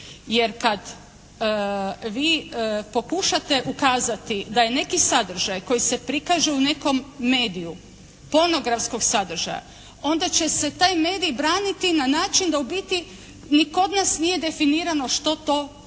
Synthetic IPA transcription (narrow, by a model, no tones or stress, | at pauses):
je̞ɾkad̪ | ʋiːpo̞kuʃat̪e̞ʔukaːzat̪id̪aje̞ne̞kisad̪r̩ʒajko̞jisepɾikaʒeune̞ko̞mːe̞ːd̪iju | po̞no̞ɡɾafsko̞ɡsad̪r̩ʒa̰ja̰ | o̞nd̪at͡ɕe̞se̞t̪aːjme̞ːd̪ijbɾaːnit̪inanaːt͡ʃind̪aubit̪i | niko̞d̪nasnije̞d̪e̞finiːɾano̞ʃt̪o̞t̪o̞